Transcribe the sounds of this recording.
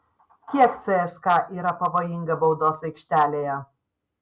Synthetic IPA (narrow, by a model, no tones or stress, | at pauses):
kʲiɛkt̪sʲɛɛskɑːʔiːɾɐpɐʋoːjɪŋɡɐbɐʊd̪oːsɐɪkʃʲt̪ʲæːlʲeːjɛ